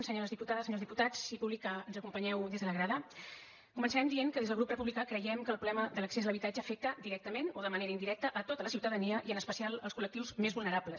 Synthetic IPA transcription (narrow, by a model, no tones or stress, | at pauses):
nsəɲoɾəzðiput̪aðəsəɲolzðiput̪at͡sipuβlikaənzəkumpəɲɛwd̪ezðələɣɾaðə | kumənsəɾɛmnd̪ieŋkəðezðəlɣɾuprəpuβlikakɾəjɛmkəlpɾulɛməðələksezələβit̪ad͡ʒəːfek̚t̪əd̪iɾɛk̚t̪əmenoðəməneɾəind̪iɾɛk̚t̪əʔət̪ot̪ələsiwt̪əðəniəʔiənəspəsialˠəlˠskulək̚t̪iwzmezβulˠnəɾapləs